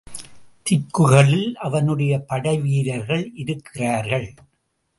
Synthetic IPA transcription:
t̪ɪkːɯɣɐɭɪlʔɐʋɐnɯɽɐjɐpɐɽɐɪʋiːɾɐɾɣɐɭʔɪɾɯkʰːɪraːɾɣɐɭ

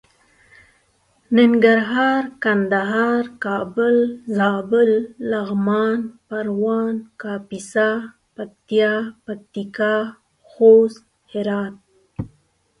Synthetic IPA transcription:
nɪŋɡaɾɦɑːɾkand̪aɦɑːɾkɑːbʊlzɑːbʊlːaɣmɑːnpaɾwɑnkɑːpisa | pak̚t̪ijɑpak̚t̪ikɑ | xos | hɪɾɑːt̪̚

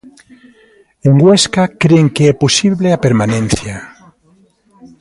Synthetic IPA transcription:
eŋɡweskakɾeŋkeɛposiβleapeɾmanẽn̟θja

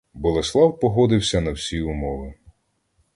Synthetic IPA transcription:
bɔlˠeslˠɑwpɔɦɔd̪ɪwsʲɐnɐwsʲiʊmɔʋɪ

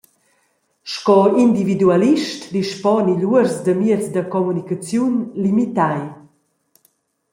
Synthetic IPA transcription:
ʃkɔind̪ividualiʃtd̪iʃpɔniʎuəɾzd̪əmiət͡sd̪əkɔmunikat͡sjunlimit̪aj

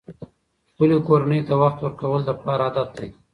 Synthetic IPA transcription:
xpəlokoɾanəjt̪awaxt̪wəɾkawəld̪əpɑɾaːd̪at̪̚d̪aj

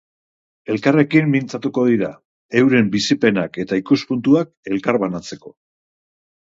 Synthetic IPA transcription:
e̞lkare̞kimːint͡sat̪uko̞ðiɾa | e̞wɾe̞mbisipe̞nake̞t̪aikuspunt̪uak̚e̞lkaɾβanat͡se̞ko̞

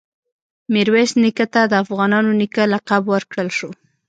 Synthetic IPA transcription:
mɪɾwesnikat̪ad̪əafɣɑnɑnonikalaqabwəɾkɽəlʃo

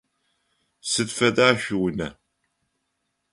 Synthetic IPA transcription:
səðfæðaçwnæ

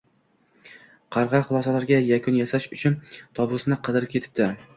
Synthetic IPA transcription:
qʰɑɾʁɑχʊlˠɒsalaɾɡʲajakʰʊnjasaʃʊt͡ʃʰʊnt̪ʰɒbʊsnɪqʰɨd̪ɪɾp̚kʰʲe̞t̪ʰɪ̥p̚d̪ɪ

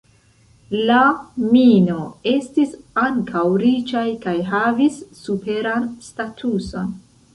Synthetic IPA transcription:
lamino̞e̞stisaŋkʰawɾit͡ʃajkajɦavisːupe̞ɾanstatʰuso̞n

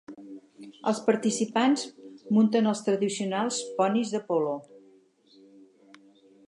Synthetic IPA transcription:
ə̰lˠspəɾt̪isipanzmunt̪ənəlˠst̪ɾəðisiunalˠspɔnizðəpɔlo

